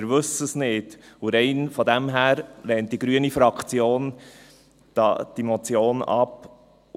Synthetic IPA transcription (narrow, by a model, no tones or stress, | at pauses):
ɾʋɵsəsnɪdʊɾɛɪnfɔd̪ɛmɦæːɾlɛːnt̚d̥iɡɾyənifɾɑkχt͡sjoːn | d̥ɑ̰d̥imɔt͡sjoːnɑ̰p